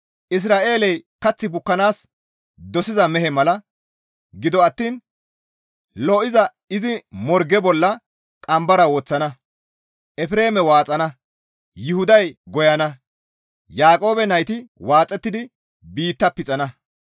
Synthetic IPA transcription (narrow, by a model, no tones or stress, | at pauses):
ʔɪs̬ɾaːʔe̞ːlɛjkɐt͡sːɪbʊkːɐnaːs | d̪ɔsɪzɐmɛhɛmɐlɐ | ɡɪd̪ɔɐt̪ːiːn | lɔʔɪzɐ | ɪzɪmɔɾɡɛbɔlːɐ | kʼɐmbɐɾɐwːt͡sːɐnɐ | ʔɛfɪɾe̞ːmɛwaːt͡sʼɐnɐ | jʊhʊd̪ɐjɡɔjɐnɐ | jaːkʼo̞ːbɛnɐjt̪ɪwaːt͡sʼːɛt̪ːɪd̪ɪ | biːt̪ːɐpɪt͡sʼɐnɐ